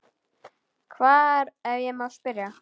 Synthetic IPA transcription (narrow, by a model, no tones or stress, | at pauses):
kʰvaːɾɛvjɛmaðspɪɾja